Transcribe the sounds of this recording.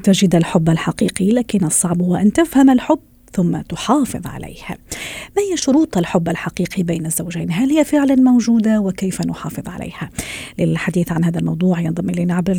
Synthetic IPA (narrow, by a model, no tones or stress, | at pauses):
t̪ad͡ʒɪd̪alħʊbːalħɑqiːqilaːkɪnːʔɑsˤːɑʕbhʊwaʔant̪afhamalħʊbː | θʊmːat̪ʊħɑːfɨ̰ðˤʕa̰lḛjhmaːhɪjːaʃʊɾuːt̪ˤalħʊbːalħɑqiːqibajnazːawʒajnɦalhɪjafɪʕlanmowʒuːd̪awɪkajfanʊħɑːfɨðˤʕa̰lʔḛjhalɪlħad̪iːθʕanhaːðalmɑwd̪ˤuːʕjɑnðˤɑmʔɪleːnaʕabɾa